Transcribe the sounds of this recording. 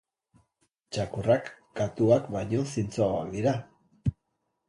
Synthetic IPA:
t͡ʃakurak | ɡat̪uakbajɲo̞sint͡soaoa̰k̚d̪iɾa

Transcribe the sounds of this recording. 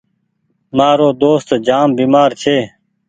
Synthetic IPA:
maːɾoːd̪oːst̪d͡ʒaːmbiːmaːɾt͡ʃʰeː

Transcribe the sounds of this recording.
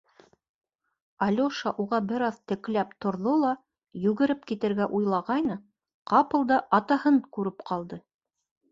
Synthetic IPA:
ɑlʲoʃɑʔuʁɑbɘ̆ɾɑðt̪ɘ̆klæpt̪ŏɾðolˠɑ | jʉɡɘ̆ɾɘpkit̪ɘ̆ɾɡæʔujlˠɑʁɑjnɤ | qɑpɤ̆lˠd̪ɑʔɑt̪ɑhɤɴkʉɾɘpqʰɑlˠd̪ɤ

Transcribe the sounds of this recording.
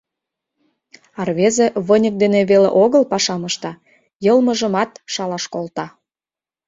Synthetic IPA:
ɑrβezeβənʲə̆k̚d̪eneβelḛʔoɣəlpɑʃɑməʃt̪ɑ | jɤlmə̆ʒə̆mɑt̪ʃɑlɑʃkolt̪ɑ

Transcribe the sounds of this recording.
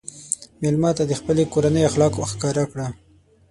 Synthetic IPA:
melmɑt̪ad̪əxpəlekoɾanəjaxlɑkxkɑɾakɽa

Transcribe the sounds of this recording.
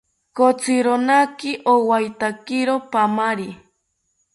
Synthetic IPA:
kot͡sɪɾonakɪʔowajt̪akɪɾopamaɾi

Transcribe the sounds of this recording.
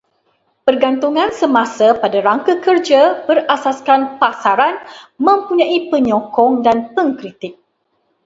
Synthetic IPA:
pərɡant̪uŋãnsəmãsapadaɾaŋkakərd͡ʒabərasaskanpasaɾanmə̃mpuɲãʔipəɲɔ̃kɔŋdanpəŋkɾit̪ɪk̚

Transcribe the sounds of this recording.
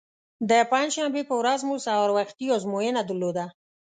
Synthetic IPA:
d̪əpanʃambepəwɾazmusawaɾwaxt̪iawzmojənad̪əɾlod̪a

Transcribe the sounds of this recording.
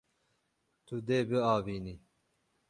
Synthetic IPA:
t̪ʰud̪eːbɨɑːviːni

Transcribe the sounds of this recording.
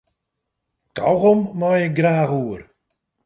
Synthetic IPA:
kawɣɔmːajɪk̚ɡraːɣuər

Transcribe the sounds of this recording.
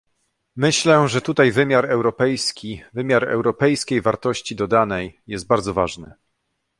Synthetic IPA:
mɘɕlɛʐɛt̪ut̪ajvɘmʲjaɾɛwɾɔpɛjskʲivɘmʲjaɾɛ̰wɾɔpɛjskʲejvaɾt̪ɔɕt͡ɕid̪ɔd̪anɛjːɛst̪̚baɾd̪zɔvaʐnɘ̰

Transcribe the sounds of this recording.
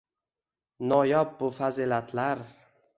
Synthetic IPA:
nɒjɒp̚bʊfazilat̪ʰlaɾ

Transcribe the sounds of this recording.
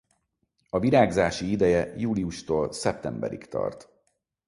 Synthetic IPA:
ɒviɾaːɡzaːʃiid̪ɛjɛjuːliuʃt̪oːlsɛp̚t̪ɛmbɛ̰ɾḭkt̪ɒ̰rt̪

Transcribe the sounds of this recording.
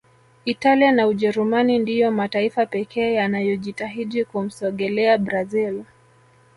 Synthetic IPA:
italianauʄɛɾumanindijɔmataifapɛkɛːjanajɔʄitaɦiɗikum̩sɔɠɛlɛabɾazil

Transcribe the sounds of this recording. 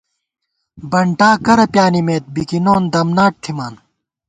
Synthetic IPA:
bɐɳʈaːkɐɾɐpjaːnimeːt̪̚bikinoːnd̪ɐmnaːʈ̚ʈʰimaːn

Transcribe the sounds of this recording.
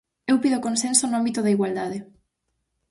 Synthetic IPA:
ewpiðokonsensonoambit̪ʊðɐiɣwald̪aðe

